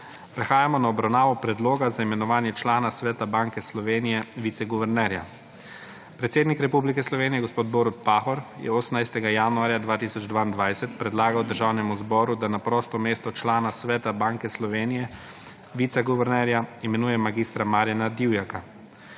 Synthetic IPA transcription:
pɾɛxaːjamɔnaɔbɾawnaːʋɔpɾɛd̪loːɡazaimɛnɔʋaːnjɛt͡ʃlaːnasʋɛːt̪abaŋkɛslɔʋeːnijɛʋit̪sɛɡuʋɛɾnɛːɾja̰ | pɾɛt̪seːd̪nikɾɛpublikɛslɔʋeːnijɛɡospoːd̪̚boːɾut̪̚paːxɔɾjɛ̰ɔsnajst̪ɛɡajaːnuaːɾjad̪ʋaːt̪iːsɔd͡ʒd̪ʋaːind̪ʋajsɛt̪pɾɛd̪laːɡawd̪əɾʒawnɛmuzbɔːɾud̪anapɾɔːst̪ɔmeːst̪ɔt͡ʃlaːnasʋɛːt̪abaːŋkɛslɔʋeːnijɛ | ʋiːt̪sɛɡuʋɛɾnɛɾjaimɛnuːjɛmaɡiːst̪ɾamaːɾjanad̪iwjaka

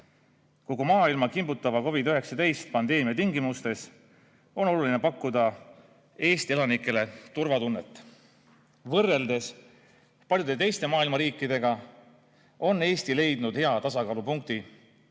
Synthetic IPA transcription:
koɡ̥umɑːilmɑkimbut̪ːˑɑvɑko̞vid̪yɦe̞ksɑt̪e̞jst̪̚pɑnd̪e̞ːmijɑt̪iŋɡimust̪e̞s | o̞no̞lulinepɑkˑːud̪ɑ | e̞ːst̪ie̞lɑnikːˑe̞le̞t̪urvɑt̪unːe̞t̪ːˑ | vɤrːe̞ld̪e̞s | pɑlʲjud̪e̞t̪e̞jst̪e̞mɑːilmɑɾiːkˑːid̪̥e̞ɡ̥ɑ | o̞nːe̞ːst̪ile̞jd̪̥nud̪̥he̞ɑt̪ɑsɑkɑːlupuŋk̚t̪i

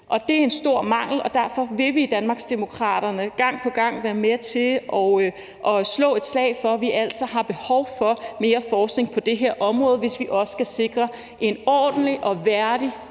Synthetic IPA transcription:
ʔɒ̽d̥e̝æɐe̝nsd̥o̝ɐ̰mɑ̈ŋ̰l̩ɒ̽d̥æɐfɒ̽ʋe̝ʋid̥ænmɑ̈ːɡ̥sd̥emo̝kʰʁɑ̰̈ːɾ̥ɐnəɡ̥ɑ̈ŋ̰pʰɒ̽ɡ̥ɑ̈ŋ̰ʋæːɐmet͡sʰe̝lʔɒ | ʔɒ̽slɔ̰̽ːe̝d̥slɛ̰ɪ̰fɒ̽ʋiʔæl̰sɒɦɑ̈b̥e̝hɒʊfɒ̽me̝ːɐfɒːsɡ̥ne̝ŋpʰɒ̽d̥e̝ɦeɐ̰ʔɒ̽mʁɔ̽ːð̞ˠʋe̝sʋiʔɒ̽sə̥ɡ̥æse̝ɡ̥ʁɐ | ʔe̝nɒ̰ːd̥n̩liʔɒ̽ʋæɐd̥i

